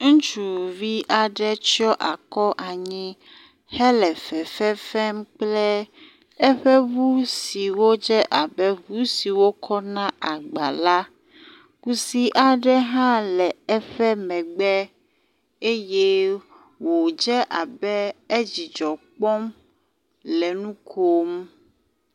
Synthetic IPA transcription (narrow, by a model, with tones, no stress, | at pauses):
ŋ̩˦t͡ʃu˨vi˦ʔa˨ɖɛ˦t͡ʃi˦ɔ˦ʔa˨kɔ˦ʔa˨ɲĩ˦ | hɛ˦lɛ˨fɛ˨fɛ˦fɛ˦m˦k͡plɛ˦ | ɛ˦ɸɛ˦βu˦si˨wo˦d͡ʒɛ˦ʔa˨bɛ˦vu˦si˨wo˦kʰɔ˦nã˦a˨ɡ͡ba̰˨la˦ | ku˦si˦ʔa˨ɖɛ˦ɦã˦lɛ˨ɛ˦ɸɛ˦mɛ̃˨ɡ͡bɛ˦ | e˦je˦ | wo˨d͡ʒɛ˦ʔa˨bɛ˦e˦d͡ʑi˨d͡ʒɔ˨k͡pɔ˦m | lɛ˨nũ˦kʰo˦m